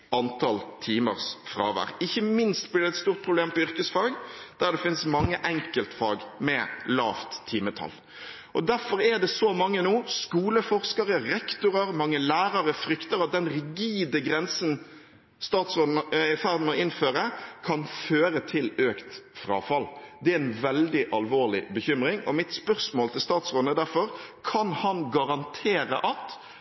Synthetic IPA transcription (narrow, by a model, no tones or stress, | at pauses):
ɑnt̪ʰɑlt̪ʰiːməɾsfɾɑ̰ːʋæ̰ɾɪçːəmɪnst̪̚blɪɖ̪ɛt̪st̪uːʁt̪̚pʰɾʊbleːmpɔʏɾkəsfɑːɡd̪̥æɾɖ̪ɛfɪnsmɑŋːəʔɛŋkəlt̪fɑːɡmɛlɑːft̪ʰːiːmət̪ʰɑ̰lː | ʔɔd̪æɾfɔɾɛd̪ɛsɔmɑŋːənuːskuːləfɔɾskɑɾəɾɛkt̪ʊɾəɾmɑŋːəlæːɾɑɾəfɾʏkt̪əɾɑt̪̚d̪ɛnɾɪɡiːd̪əɡɾɛnsən | st̪ɑːt̪sʁoːd̪nəfæɾd̪n̩ɔɪnføːɾəkʰɑnføːɾət̪ʰɪløːkt̪fɾɑ̰ːfɑld̪ɛæɛnʋɛld̪ɪʔɑlʋoːʁlɪbəçʏmɾɪŋɔ̰mɪt̪spœʁsmoːlt̪ʰɪlst̪ɑːt̪sʁoːd̪əd̪æɾfɔɾkʰɑnhɑnɡɑɾɑnt̪ʰeːɾə̰ʔɑt̪